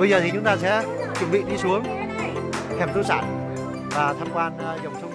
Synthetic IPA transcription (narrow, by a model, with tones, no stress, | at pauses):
ɓə˧jzəː˨˩t̪ʰi˨˩t͡ɕʊ˨˦ŋ͡mt̪aː˧sɛ̰˧˥t͡ɕwə˨˧˩nɓḭ˧˨ɗi˧su˨˦əŋ | t̪ʰɛ˨˧˩mt̪u˧˦saː˧˩n | vaː˨˩t̪ʰaː˧mkwaː˧n˧zə˨˩wŋ͡msʊ˧ŋ͡m